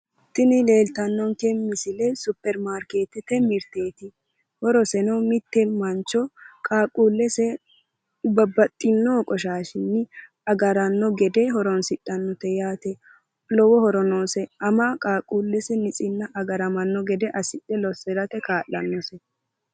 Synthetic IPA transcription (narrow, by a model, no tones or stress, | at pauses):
t̪ːɪnɪle̞ːlt̪ɐnːɔŋkɛmmɪsɪlɛsʊpːɛɾmaːɾke̞ːt̪ɪt̪ɛmɪɾt̪eːt̪ɪ | hɔɾɔsɛnɔmɪt̪ːɛmɐnt͡ʃːɔkʼaːkʼːuːlːɛsɛ | bɐbɐt̪ʼːɪnːoːkʼɔʃaːʃɪnːɪ | ɐɡɐɾɐnːɔɡɛd̪ɛɦɔɾɔnsɪtʼːɐnːɔt̪ɛjaːt̪ɛ | lɔwɔhɔɾɔnoːsɛɐmakʼaːkʼuːlːɛsɛnɪt͡sʼɪnːɐʔɐɡɐɾɐmɐnːɔɡɛd̪ɛʔɐsɪɗɛlɔsɛɾɐt̪ɛkaːʔɐnːɔsɛ